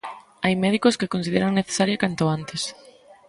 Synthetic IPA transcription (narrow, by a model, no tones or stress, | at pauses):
ajmɛð̞ikoskekonsiðeɾaŋneθe̥saɾjakant̪oant̪es